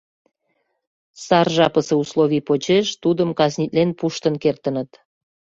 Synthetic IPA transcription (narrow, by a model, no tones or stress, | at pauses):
sɑrʒɑpəseuslˠoβʲipot͡ɕeʃt̪ud̪əmkɑznʲit̪ʲlenpuʃt̪ənkert̪ənət̪